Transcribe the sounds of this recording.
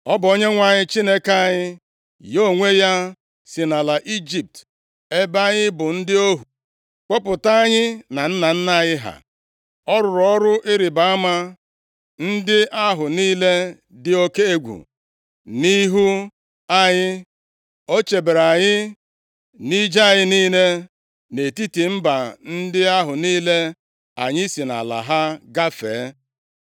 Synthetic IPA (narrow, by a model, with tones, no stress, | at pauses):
ɔ˦bo˦ɲe˦ŋʷa˨ɲɪ˦t͡ʃi˦ne˦ka˦ɲɪ˦ | jo˦˨ŋʷe˦ja˦ | sɪ˨na˨la˨ʔi˦d͡ʒi˨p̚t | e˦ba˦ɲɪ˦bʊ˨n̩˦dɪ˦o˦ɦu˨ | k͡pɔ˦pʊ˨ta˦a˦ɲɪ˦na˨n̩˦na˨n̩˦na˦˨ɲɪ˦ɦa̰˨ | ɔ˦ɾʊ˨ɾɔ˦ɾʊ˦ʔɪ˦ɾɪ˨ba˨˦a˦ma˦ | n̩˦dɪ˦ʔa˦ɦʊ˨niː˦le˦ | dɪ˦o˦ke˦e˦ɡʷṵ˨ | ni˦ɦu˦ | a˦ɲɪ˦ | o˦t͡ʃe˨be˨ɾa˨ɲɪ˦ | ni˦d͡ʒa˦˨ɲɪ˦niː˦ne˦ | ne˨ti˦ti˨m̩˦ba˨n̩˦dɪ˦a˦ɦʊ˨niː˦le˦ | a̰˨ɲɪ˦i˦si˨na̰˨la̰˨ɦa˦ɡa˦fḛː˨˦